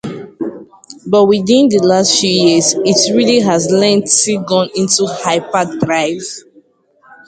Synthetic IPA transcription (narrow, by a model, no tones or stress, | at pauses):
bɔtwidĩndəlastfjujizitɹiliɦazlɛ̃ntsiɡɔ̃nĩntuhaɪpadɹaɪv